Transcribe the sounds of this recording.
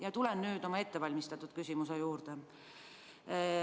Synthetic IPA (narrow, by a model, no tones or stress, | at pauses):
jɑt̪ulenːyːd̪o̞mɑe̞t̪ːe̞vɑlʲmist̪ɑt̪ːˑud̪̥̚kysʲimus̬ejuːrt̪e